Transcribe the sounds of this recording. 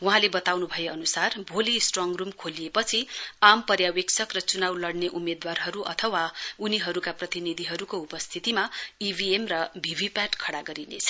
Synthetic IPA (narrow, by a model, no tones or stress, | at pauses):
wuɦãlebʌt̪awnubʱʌjeʌnusarbʱolisʈrɔŋrumkʰolijepʌt͡sʰiampʌrjaweksʰʌkrʌt͡sunawlʌɽneʔumed̪warɦʌɾuʔʌ̰t̪ʰʌwauniɦʌɾukaprʌt̪inid̪ʱiɦʌɾukoupʌst̪ʰit̪imaibʱiemrʌbʱibʱipaʈkʰʌɽaɡʌɾinḛt͡sʰʌ̥